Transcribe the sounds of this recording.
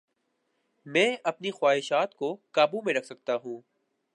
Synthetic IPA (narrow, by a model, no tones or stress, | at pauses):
mɛ̃ːɐpnixwaːɦɪʃaːt̪kokaːbumẽɾɐkʰsɐk̚t̪aɦũː